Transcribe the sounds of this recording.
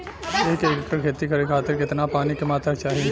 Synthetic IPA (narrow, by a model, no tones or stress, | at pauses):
eːkeːkkːəkʰeːt̪ikɐɾekʰaːt̪ɪɾkɪt̪napaːnikemaːt̪at͡ʃaːɦi